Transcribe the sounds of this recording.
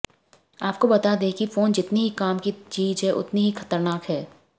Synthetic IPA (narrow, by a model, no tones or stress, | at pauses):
aːp̚kobɐt̪ad̪ekifoːnd͡ʒɪt̪niɦikaːmkit͡ʃiːd͡ʒɦɛʔʊ̰t̪niɦixɐ̥t̪əɾnaːkɦɛː